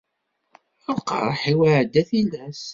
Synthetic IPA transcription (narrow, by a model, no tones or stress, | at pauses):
əlqɑ̰ɾˤħiwaʕd̪ːæθilæs